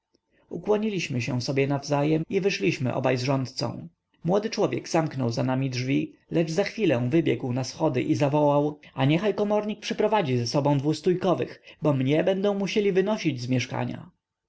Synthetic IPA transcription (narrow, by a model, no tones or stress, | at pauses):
ukwɔɲilʲiɕmɘɕɛ̰̃sɔbʲjɛnavzajɛmivɘʂlʲiɕmɘ̰ʔɔ̰bajzʐɔnt̪̚t̪sɔ̰̃w̃ | mwɔd̪ɘt͡ʂwɔvʲjɛ̰ɡz̥amknɔ̰wzanamʲidʐvʲilɛd͡ʐzaxfʲilɛ̃w̃vɘbʲjɛɡwnasxɔd̪ɘ̰ʔizavɔwawaɲɛxajkɔmɔɾɲik̚pʂɘpɾɔvad͡ʑizɛsɔbɔ̃w̃d̪vust̪ujkɔvɘ̰xbɔmɲɛbɛnd̪ɔ̃w̃muɕelʲivɘnɔɕid͡ʑzmʲjɛʂka̰ɲa̰